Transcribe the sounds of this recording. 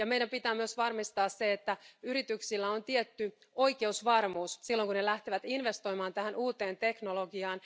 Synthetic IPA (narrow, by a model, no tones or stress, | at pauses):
jɑme̞jɾæmpit̪æːmyøsʋɑrmist̪ɑːsseet̪ːæyɾit̪yksilːæo̞nt̪iet̪ːy | o̞ike̞usʋɑrmuːssilːoŋkunelæht̪eʋæt̪inʋe̞st̪o̞jmɑːnt̪æhænuːt̪e̞ːnt̪e̞knolo̞ɡiɑːn